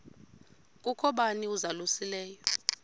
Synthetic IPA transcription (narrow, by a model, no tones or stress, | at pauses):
k̬ʼukʰɔɓaniuzalusilɛːjɔ